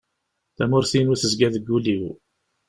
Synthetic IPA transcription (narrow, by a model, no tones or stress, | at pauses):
θæmʊɾθinuθəzɡæðəɡːuliw